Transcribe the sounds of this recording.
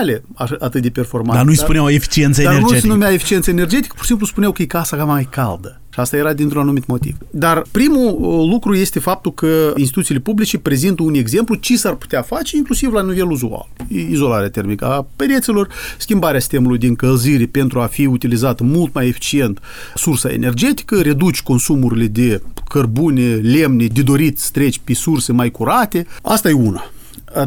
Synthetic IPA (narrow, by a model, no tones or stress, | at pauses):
le | aaʔat̪ɨt̪̚d̪epe̞rfo̞rmand̪anuijspuneawefi̥t͡ʃiensəedaenenumaefi̥t͡ʃient̪səene̞rd͡ʒe̞t̪i̥kə̥po̥simpluspunjawkəjekasakamajkald̪ə | ʃast̪ajeɾad̪int̪ɾunanumit̪mo̞t̪ḭv̥d̪arpɾimulukɾuje̞st̪e̞fap̚t̪ulkəinst̪it̪ut̪silepublit͡ʃepɾe̞zint̪əune̞ɡze̞mplut͡ʃesarpu̥t̪ʲeafat͡ʃe̞iŋklusivlanive̞luzua̰ljeizo̞laɾeat̪e̞rmikəaped̪et̪selo̞rskʲimbaɾeasi̥st̪e̞mulujd̪eɨŋkəlziɾepe̞nt̪ɾuafiut̪ilizat̪əmult̪̚maje̞fi̥t͡ʃie̞nt̪ | sursaḛne̞rd͡ʒe̞t̪i̥kəɾe̞d̪ut͡ʃʲko̞nsumuɾile̞d̪e̞kʰərbunele̞mned̪e̞d̪o̞ɾit̪st̪ɾe̞t͡ʃʲpesurse̞majkuɾat̪e̞ast̪ajeuna